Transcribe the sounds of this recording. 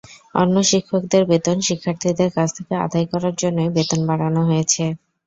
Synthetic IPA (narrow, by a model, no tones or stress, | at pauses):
ɔ̰nːoʃikʰːok̚d̪eɾbet̪onʃikʰːaɾt̪ʰid̪eɾkat͡ɕʰt̪ʰekea̰d̪ajkɔɾaɾd͡ʑonːojbet̪onbaɽanoɦojet͡ɕʰe